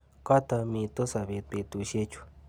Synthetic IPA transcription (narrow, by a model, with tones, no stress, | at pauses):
ka˦t̪a˧mĩ˧t̪o˦sa˨βe˧˨t̪̚e˧t̪u˧ʃe˦t͡ʃu̥˧